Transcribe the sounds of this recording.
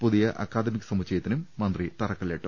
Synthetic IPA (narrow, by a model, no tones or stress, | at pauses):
puðijɐʔɐ̰kːaːd̪ɐmikʲːɐsɐmut͡ɕːɐjɐt̪ːinumːɐnd̪rit̪ɐrɐkːɐleʈːu